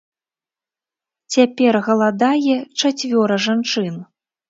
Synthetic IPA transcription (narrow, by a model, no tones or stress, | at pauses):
t͡sʲapʲɛrɣɐlˠad̪ajɛt͡ʂat͡sʲvʲɔɾɐʐant͡ʂɨn